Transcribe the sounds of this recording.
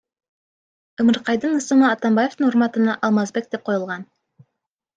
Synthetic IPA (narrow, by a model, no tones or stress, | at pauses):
ɵ̆məɾqɑjd̪əɴə̆sə̆ɴəɑt̪ɑmbaje̞ft̪əɴoɾmɑt̪ənɑʔɑlˠmɑzbe̞k̚d̪̥e̞p̚qʰo̞jəlˠʁɑn